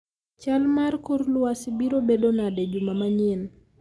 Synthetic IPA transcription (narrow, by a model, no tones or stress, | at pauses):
t͡ʃalmarkoɾlwasibiɾobedonadɛd͡ʒumamaɲɪn